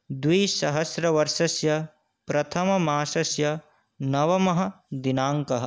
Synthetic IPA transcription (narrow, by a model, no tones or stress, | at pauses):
d̪wiːsɐɦɐsɾɐʋɐɾʃɐsjɐ | pɾɐt̪ʰɐmɐmaːʃɐsjɐ | nɐʋɐmɐɦɐ̆d̪inaːŋkɐɦɐ̆